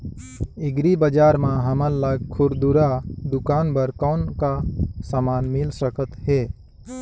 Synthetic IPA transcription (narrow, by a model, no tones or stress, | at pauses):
iɡɾibəd͡ʒaɾmãɦəməɾləɡ̚kʰuɾd̪uɾad̪ukanbəɾkəʊnkasamanmilsəkət̪ɦe